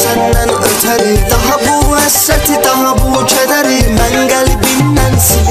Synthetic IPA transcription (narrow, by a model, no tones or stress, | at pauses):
sʰɐnːɐnɯt̪ʰɐɾit̪ɐɦɐ̃buɐsːɐt̪ʰit̪ɐɦɐ̃put͡ʃʰɐd̪ɐɾimɐŋɡɐlibinːɐnsi